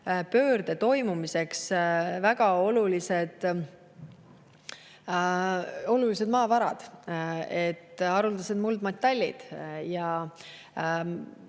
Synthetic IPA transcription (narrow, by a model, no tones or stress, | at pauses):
pø̞ːrd̪̥e̞t̪o̞jmumise̞ksvæɡ̥ɑo̞lulise̞d̪̥ | o̞lulis̬ed̪mɑːvɑɾɑd̪̥ | et̪ːɑɾuld̪ɑsed̪muld̪mɑt̪ːɑlʲːḭd̪̥jɑ